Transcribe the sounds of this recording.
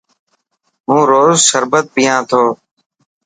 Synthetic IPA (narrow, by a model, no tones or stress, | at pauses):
ɦũːɾoːzsəɾbət̪̚bɪjãːt̪ʰoː